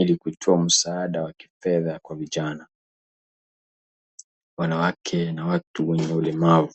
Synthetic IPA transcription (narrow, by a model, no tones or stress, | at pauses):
ilikutʰɔam̩saːɗawaki̥fɛðakwaviʄana | wanawakʰɛnawatuwɛɲɛulɛmavu